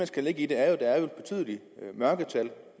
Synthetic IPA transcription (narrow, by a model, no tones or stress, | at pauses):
ænsɡ̥æle̝ɡ̥əid̥e̝æɐjo̝d̥ɑ̈æɐjoed̥̚b̥e̝t͡sʰy̰ðˠli | mɶɐɡ̥ət͡sʰæl